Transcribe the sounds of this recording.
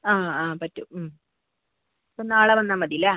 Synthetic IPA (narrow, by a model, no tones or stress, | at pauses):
aːaːpɐtːum | pːonːaːɭɐʋɐnːaːnmɐd̪ijilɐ